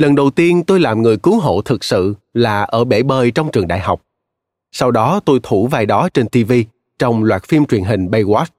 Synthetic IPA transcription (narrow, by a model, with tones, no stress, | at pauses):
lə˨˩nɗə˨˩wt̪i˧ənt̪o˧jlaː˨˩mŋɨ˨˩əjkɨ˨˦ŋɦo̰˧˨t̪ʰɨ˨˩k̚sɨ̰˧˨laː˨˩ʔəː˧˩ɓe˧˩ɓəː˨˩jt͡ɕɔ˧wŋ͡mt͡ɕɨ˨˩əŋɗa̰ː˧˨jɦa˨˩wk͡p̚ | sa˧wɗɔ˨˦t̪o˧jt̪ʰu˧˩vaː˨˩jɗɔ˨˦t͡ɕe˧nt̪i˧vi˧ | t͡ɕɔ˧wŋ͡mlwaː˨˩t̚fi˧mt͡ɕwi˨˩ənɦï˨˩ŋ̟ɓə˧jwaː˦˥t̚